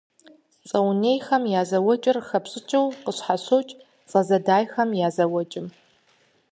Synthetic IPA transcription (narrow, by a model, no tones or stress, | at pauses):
t͡sʼɐwnejxɐmjaːzɐwɔt͡ʃʼɪrxɐpɕʼɪt͡ʃʼɐwqəɕħaɕoːwt͡ʃʼ | t͡sʼɐzɐdaːjxɐmjaːzɐwɔt͡ʃʼɪm